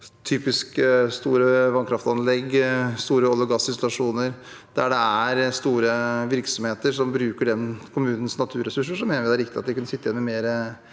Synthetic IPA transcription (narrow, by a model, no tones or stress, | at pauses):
t̪ʰyːpɪskst̪uːɾəʋɑnkʰɾɑft̪ɑnlɛɡst̪uːɾəɔlːəɡɑsɪnsʊlɑʂuːnəɾ | d̪̥æɖɛæɾst̪uːɾəʋɪɾksɔmheːt̪əʂɔmbɾʉːkəɖɛnkʰʊmʉːnən̩snɑt̪ʰʉːɾɛsʉʂ̬ːəʂɔmːeːnəʋɪd̪æɾɪkt̪ɪɑt̪d̪ɪkʉnːəsɪt̪ːɪɛnmɛmeːɾə